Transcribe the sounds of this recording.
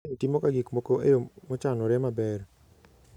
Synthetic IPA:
timokaɡikmokoʔejomot͡ʃanɔɾɛmabɛr

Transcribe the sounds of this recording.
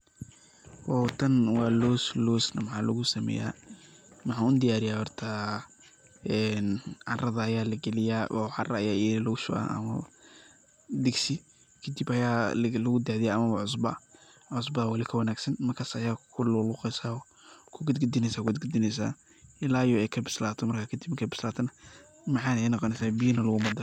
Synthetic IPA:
wɔt̪ʰɐnwɑːlɔːslɔːsnɐmɐħaːlɐɣʊsɐmɛ̰ːja̰ː | mɑħaːʊnd̪ɪjaːɾɪjaːhɔrt̪ʰɐ | ɛːnʕɑrɐðɐːjaːlɐɡɛlɪjaːʔɔʕɑrɐɐ̰jaːɛlɔʃʊ̰ʔɐ̰ɐ̰mɐ | d̪ɛɡsɪ | kʰɐd̪ibɐjaːlɐɣʊd̪aʕðɪjaːɐmɐβɐʕʊs̬bɐ | ʕʊs̬bɐwɐlɪkʰɐwɐnaːɡsɐnmɐrkʰaːsːjaːkʰʊlʊlʊːqɛsaːɔ | kʰʊɡɐd̪̚ɡʊd̪ɪnɛjsaːkʊɡɐd̪ɡɐd̪ɪnɛjs̬a̰ː | ɪlaːjɔɛjkʰɐbɪslaːt̪ʰɔmɐrkʰakʰɐd̪ibmkʰɐbɪslaːt̪ʰɐnɐ | mɑħɑːnɛjnɑqɔnɛsaːbijɐnɐlʊɣʊmɐd̪ɪ

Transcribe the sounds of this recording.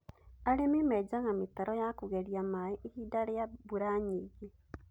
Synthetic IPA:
alimimed͡ʒaɣamitaɾojakuɣeɾijamaiʔːhidalejabuɾaɲiɣe

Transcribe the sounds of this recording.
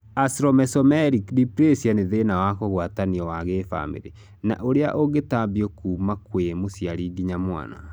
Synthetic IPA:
asɾɔmɛsɔmɛɾikdipɾesianeðenawakoɣwataniɔwaɣefa̰mḛɾe | na̰ʔoɾea̰ʔoɡetabiokuːmakwemosjaɾiɡiɲamwa̰na̰

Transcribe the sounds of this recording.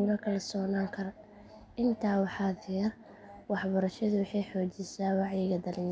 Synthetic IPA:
ʊnɐkʰɐlɐsɔːnaːŋkʰɐr | ɪnt̪ʰaːwɑħɑːdɛr | wɑħbɐɾɐʃɐðʊwɑħɑjħɔːt͡ʃɪsaːwɑʕjɪɣɐd̪ɐlɪn

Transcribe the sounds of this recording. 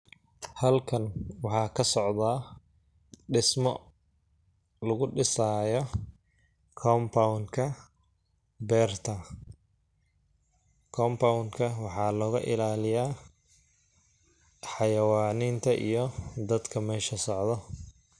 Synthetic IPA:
hɐlkʰɐnwɑħɑːkʰɐsɔʕðaː | ɖɪsmɔ | lɐɣʊɖɪsaːjɔ | kʰɔːmpʰawŋkʰɐ | bɛːrt̪ʰɐ | kʰɔːmpawŋkʰɐwɑħɑːlɔːɣɐʔɪ̰laːlɪjaː | ħɑjɐwaːniːnt̪ʰɐʔḭjɔd̪ɐd̪kʰɐmɛːʃɐsɔʕd̪ɔ

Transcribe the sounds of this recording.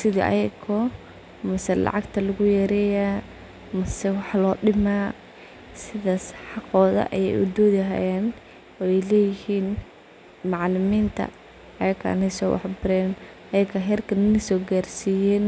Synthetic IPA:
sɪðɐʔɐ̰jɛkʰɔ | mɐsɛlɑ̰ʕɑɡt̪ʰɐlɐɣʊjɛːɾɛjaː | mɐsɛwɑħlɔːɗɪmaː | sɪðɐsħɑqɔːðɐ̰ʔɐ̰jɛ̰jʔʊd̪ɔːðɪɦa̰ːjɛːn | ɛlɛːjɪhiːn | mɑʕlɪmiːnt̪ʰɐ̰ | ɐjɐkʰɐ̰nɛsɔ̰ːwʔɑ̰ħbɪɾɛːn | ɐjɛkʰɐɦɛːrkʰɐnɪnɪsɔːɡaːrsijɛːn

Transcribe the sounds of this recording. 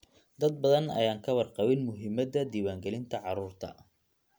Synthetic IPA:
d̪ɐd̪̚bɐðɐnɐ̰jaːŋkʰɐwɑrqɑwɪnmʊɦɪmːɐd̪ɐd̪iːwaːŋɡɛlɪnt̪ʰɐʕɑɾuːrt̪ʰɐ̰

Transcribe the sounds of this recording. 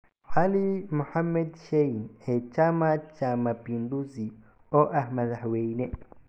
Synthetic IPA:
halimuhamːɛdʃeinɛt͡ʃamat͡ʃamapinduzi | ɔʔahmadahweinɛ

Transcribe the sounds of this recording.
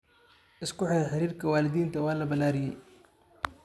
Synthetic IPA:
ʔɪskʊħɪðɐħɪɾiːrkʰɐwaːlɪd̪iːnt̪ʰɐwaːlɐbɐlaːɾɪjɛj

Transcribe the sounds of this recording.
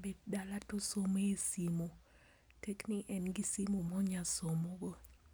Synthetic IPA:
bed̚dalatosomesimo | tekniʔɛnɡisimomɔɲasomoɡo

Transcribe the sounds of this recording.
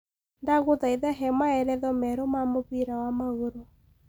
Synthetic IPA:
ndaɣoðaiðɛɦɛmaɛɾɛðɔmɛɾomamoβiɾawamaɣoɾo

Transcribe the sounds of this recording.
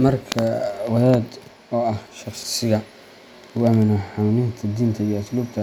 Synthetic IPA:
mɐrkʰɐwɐðaːd̪ | ɔːɐhʃɑχssɪɣɐ | ʊæmɪnɔħanɪnt̪ʰɐd̪iːnt̪ʰɐijɔsluːb̚t̪ʰɐ

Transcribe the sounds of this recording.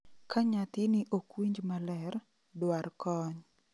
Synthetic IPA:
kʰaɲat̪ɪnɪʔokwiɲd͡ʒmalɛr | dwarkɔɲ

